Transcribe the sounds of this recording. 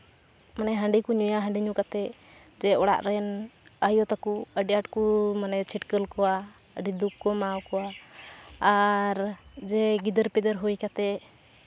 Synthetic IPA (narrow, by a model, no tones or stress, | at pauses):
manɛɦãɳɖikuɲujaɦə̃ɳɖiɲukat̪ɛ | d͡ʒɛɔɽa̰ʔɾɛnajɔt̪akuəɖijaʈkumanɛt͡ʃʰiʈkəlkɔwa | əɖid̪ukkɔmawkɔwaː | ɾd͡ʒɛɡid̪əɾpɛd̪əɾɦujkat̪ɛ